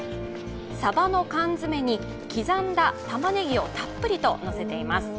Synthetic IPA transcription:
sabano̞kãnd͡zɨme̞ɲ̟i | kʲizãnd̪at̪amane̞ɡʲio̞t̪apːɯ̟ɾʲit̪o̞no̞se̞t̪e̞imasɨ̥

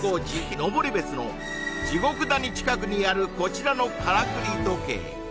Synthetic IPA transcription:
od͡ʑikʲino̞bo̞ɾʲibe̞t͡sɨno̞̰ | d͡ʑiɡo̞kɯ̟d̪aɲ̟it͡ɕi̥kak̬ɯ̟ɲ̟ijaɾɯ̟ko̞t͡ɕiɾano̞kʰaɾakɯ̟ɾʲit̪oke̞̰ː

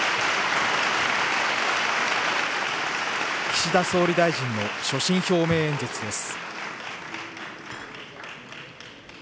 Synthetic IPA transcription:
kʲi̥ɕid̪aso̞ːɾʲid̪aiʑĩnːo̞ɕo̞ɕĩɰ̃ço̞ːme̞ːẽɲ̟d͡ʑet͡sɨd̪e̞sɨ̥

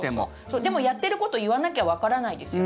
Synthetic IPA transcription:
eo | soːd̪e̞mo̞jat̪ːe̞ɾɯ̟ko̞t̪o̞iβanakʲeβaβakaɾanaid̪e̞sɨ

